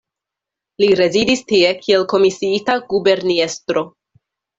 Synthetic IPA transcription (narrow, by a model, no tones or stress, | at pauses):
liɾe̞zidistie̞kʰie̞lko̞misiitaɡube̞ɾniestɾo̞